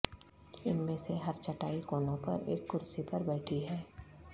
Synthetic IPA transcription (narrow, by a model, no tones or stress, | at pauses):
ɪnmẽseɦɐɾt͡ʃɐʈaːikoːnõpɐ̰ɾḛːkːʊɾsipɐɾbɛːʈʰiɦɛː